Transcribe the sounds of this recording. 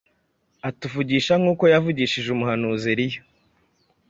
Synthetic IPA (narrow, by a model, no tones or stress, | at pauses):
atuvuɟiːʃaŋuːko̞javuɟiːʃiʒumuhanuːziɾijo